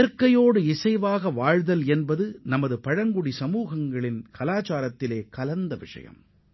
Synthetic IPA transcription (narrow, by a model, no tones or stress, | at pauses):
ɐɾkːɐjoːɽɯɪsɐɪʋaːɣɐʋaːɻðɐlɛnbɐðɯnɐmɐðɯpɐɻɐŋɡʊɽisɐmuːɣɐŋɡɐɭɪnkʰɐlaːt͡ʃaːɾɐt̪ːɪleːkɐlɐnd̪ɐʋɪ̰ʂɐ̰jɐ̰m